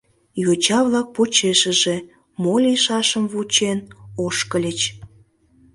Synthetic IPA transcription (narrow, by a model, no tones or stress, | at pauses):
jot͡ɕɑβlɑk̚pot͡ɕeʃəʒe | molʲiʃɑʃəmβut͡ɕenoʃkəlʲət͡ɕ